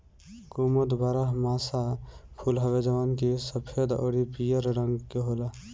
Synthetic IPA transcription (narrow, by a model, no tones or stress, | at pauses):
kuməd̪baɾaɦmaːsapʰulɦɐʋed͡ʒɐʋankisəpʰed̪o̰ːɽipijəɾɖə̃ŋɡkeɦoːla